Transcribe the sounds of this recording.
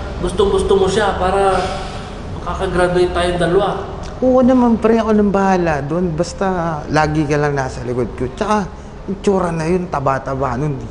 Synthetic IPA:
ɡʊst̪oŋɡʊst̪omoʃapaːɾɐ | mɐkakɐɡɾad̪ʊɪnt̪aːjond̪ɐlʊa | ʔʊanɐmanpɾɛɐko̞nɐŋbɐhaːlad̪oʔonbɐst̪alaːɡɪkɐlaŋnaːsɐlɪkod̪̚kot͡ʃɐka | ɪnt͡ʃuːɾɐnɐjont̪ɐbat̪ɐbaːnon

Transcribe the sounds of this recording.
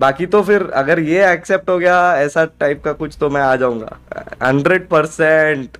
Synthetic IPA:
baːkit̪ofɪɾɐ̰ɡəɾjeɛːksep̚ʈɦoɡɐjaɛːsaʈaɪp̚kakʊt͡ʃʰt̪omɛ̃aːd͡ʒaːũːŋɡa̰ːɦɐ̃ɳɖɾeɖ̚pɐɾsɛ̃ɳʈ

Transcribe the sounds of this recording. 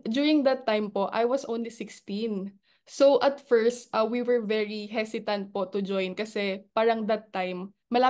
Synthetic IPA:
d̪juːɹɪ̃ŋd̪ɐt̪ːajmpoʔa̰jwɐsʔõwnlisɪkst̪ĩn | sowʔɐt̪fɛɹst̪ʔɐwiwɛɹvɛɹiɦɛsɪt̪ɐ̃nt̪̚pot̪ʊd͡ʒojnkɐsɛpaːɾɐŋd̪ɐt̪ːajmː | ɐlaː

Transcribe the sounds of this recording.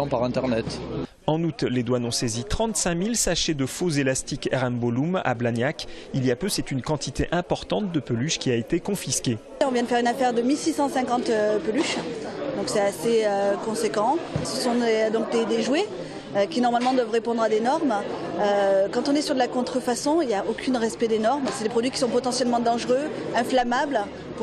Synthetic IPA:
ɑ̃paʁɛ̃t̪ɛʁnɛt̪ | ɑ̃nut̪led̪wanɔ̃sezit̪χɑ̃t̪sɛ̃milsaʃed̪əfozelast̪ikɛʁɛmbɔluma̰blanjakiliapøsɛt̪ynkɑ̃t̪ʰit̪eʔɛ̃pɔʁt̪ɑ̃t̪̚d̪əpølyʃkʲiaet̪ekɔ̃fiskʲe | ɔ̃vjɛ̃d̪əfɛʁynafɛʁd̪əmilsisɑ̃sɛ̃kɑ̃t̪øpølyʃd̪ɔ̃ksɛtaseøkɔ̃sekɑ̃səsɔ̃d̪ɔ̃k̚d̪ed̪eʒwe | økʲinɔʁmalmɑ̃d̪wavʁepɔ̃d̪ʁad̪enɔʁmøkɑ̃t̪ɔ̃nɛsyʁd̪əlakɔ̃t̪χəfasɔ̃iljaʔokʰʲynʁɛspɛd̪enɔʁmsɛd̪epχɔd̪ɥikʲi̥sɔ̃pɔt̪ɑ̃sjɛlmɑ̃d̪ɑ̃ʒʁøɛ̃flamabl | p

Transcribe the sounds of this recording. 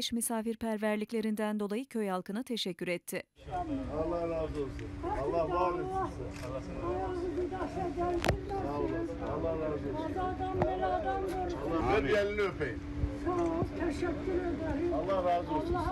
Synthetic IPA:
ʃmysaːfiɾpʰæɾvæɾlʲiclʲe̞ɾind̪ænd̪o̞lˠajɯcʰø̞jhalˠkʰɯnɯt̪ʰe̞ʃɛcːyɾɛt̪ʰːɪ | alˠːahɾaːzosuæɾlˠːahalsajazɯbid̪aʃlaɟælʲd̪ind̪a | lːaɾaoad̪aːd̪anbelaːd̪anboɾaeɛlʲinøpeji | t͡ʃʰot̪ʰeʃɛkʲʰːyɾed̪eɾɑlːahɾaːzolˠːa

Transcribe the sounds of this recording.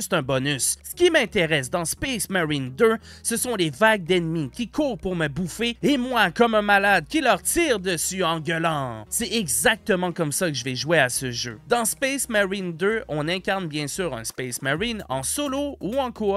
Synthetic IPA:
se̥t̪ɛ̃bɔnysːə̥kʲimɛ̃t̪eʁɛsd̪ɑ̃spɛsmaʁind̪øsəsɔ̃levaɡ̚d̪ɛnmikʲikʰuːʁpuʁməbufeemwakɔmɛ̃malad̪̚kʲilœʁt̪iːʁd̪əsyɑ̃ɡʲəlɑ̃sɛɛɡzak̚t̪əmɑ̃kɔmsakəʒəvɛʒueasəʒø̰d̪ɑ̃spɛsmaʁind̪øɔ̃nɛ̃kʲaʁnbjɛ̃syːʁœ̰̃spɛsmaʁinɑ̰̃solouɑ̃ku

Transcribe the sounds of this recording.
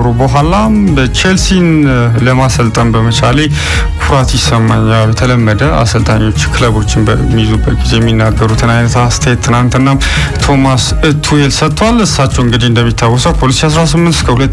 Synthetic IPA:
ɾobəɦʷalabət͡ʃelsin | ləmasəlt̪ʼəmbəmət͡ʃʰalej | kʰuɾat̪jɪsəmːaɲːaljɛt̪ʰələmːəd̪əa̰səlt̪ʼaɲːo̞t͡ʃːkʰɨləβo̞t͡ʃːɪnbəmːizubːət̪̚ɡizejɛmːinːaɡːəɾut̪ʰɨnajnət̪ast̪ʰəjɛt̪ʰːɨnant̪ɨnːam | t̪ʰo̞mas | ɨt̪ʰːuhelsət̪ʰʼːwalɨsːat͡ʃːɛwɨŋɡɨd̪iɨnd̪əmːit̪ʰːawːɔsəwpʰo̞lisias̬ɾasɨmːɨnt̪skʰəhulət̪ː

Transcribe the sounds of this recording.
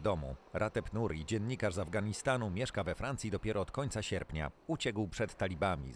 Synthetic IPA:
d̪ɔmṵɾʔat̪ɛpnuɾʲid͡ʑɛnːɲikaʐzavɡaɲist̪anumʲjɛʂkavɛfɾant̪sʲid̪ɔpʲjɛɾɔːt̪kɔɲt̪saɕɛɾpɲa̰ut͡ɕɛkwpʂɛt̪ːalʲibamʲḭ

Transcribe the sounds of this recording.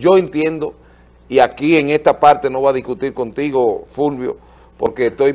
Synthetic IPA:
d͡ʒo̞e̞nt̪je̞nd̪o̞ | iakie̞ŋe̞st̪apaɾt̪e̞no̞βaaðihkut̪iɾko̞nt̪iɣo̞fulβjo̞̰ | po̞ɾke̞ːst̪o̞j

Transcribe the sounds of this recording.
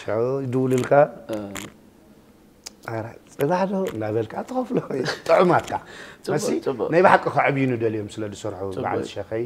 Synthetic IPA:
d̪ɨwlɨlkʰa | ʔaɾat͡sʼɨβaħd̪oɨ̰nd̪aβɐlkʰat̪ʰɨxɐflot̪ʼɨʕumat̪kʰamɐsinajbaħakʼːɐkaʕɨβjunɨd̪ɐljomsɨlɐd̪ɨsɐɾħuba̰ltɨʃɐxɐj

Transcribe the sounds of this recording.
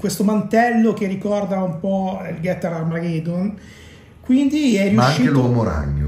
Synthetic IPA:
kwest̪omant̪ɛlːok̟erːikɔrd̪aumpɔilɡɛt̪ːaɾamaɡed̪on | kwind̪iɛjriuaʃaʃŋkːiːelwɔmoɾa̰ɲːo̰

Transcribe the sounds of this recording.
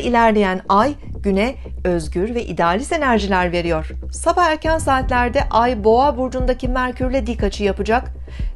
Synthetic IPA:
ʔilʲæɾlʲe̞jænajɟ̥ynɛ | øzɟyɾvɛʔid̪ɛaːlʲise̞næɾʒilʲæɾve̞ɾijo̞ɾ̥sabaæɾcænsaːt̪lʲæɾd̪ɛʔajbo̞abuɾd͡ʒund̪acʰimæɾcʰyɾlʲɛd̪ikːat͡ʃʰɯjapɯd͡ʒak

